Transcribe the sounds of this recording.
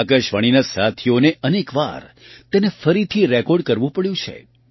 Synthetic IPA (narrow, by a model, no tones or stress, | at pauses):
akəʃʋaɽ̃inasat̪ʰioneənekʋa̰ɾ | t̪enefəɾit̪ʰiɾɛkɔɖkəɾʋũpəɭjũt͡ʃʰḛ